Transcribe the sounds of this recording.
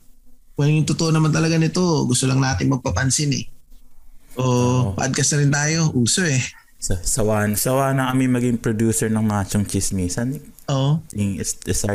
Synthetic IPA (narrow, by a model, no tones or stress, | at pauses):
mɐjjʊŋt̪ʊt̪oʔonɐmant̪ɐlɐɡanɪt̪o̞ɡʊst̪olɐŋnaːt̪ɪŋmɐɡ̚pɐpɐnsɪnɛ̰ | ʔoʔpa̰ʔɐd̪̚kɐsnɐɾɪnt̪aːjo̞ʔuːso̞ʔɛ | sɐsɐwaːnsɐwaːnɐkɐmɪnmɐɡiŋpɾod̪juːsɛɹnɐŋmaːt͡ʃoŋt͡ʃɪsniːsɐnɪʔoːʔɪŋsɛs